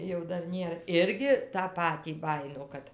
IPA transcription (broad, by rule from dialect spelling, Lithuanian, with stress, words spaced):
jɛʊ ˈdɐr ˈnʲeːr ˈɪrʲɡʲɪ tɑː ˈpɑːtʲiː ˈbɑːjɪnoː ˈkɐt